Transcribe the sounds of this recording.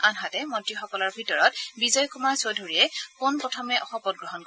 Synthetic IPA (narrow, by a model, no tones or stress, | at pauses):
anɦatɛmɔntɹixɔkɔlɔɹbʱitɔɹɔt̚bizɔjkumaɹsodʱoɹijɛkonpɹɔtʰɔmɛʔɔxɔpɔd̚ɡɹɔɦɔnkɔ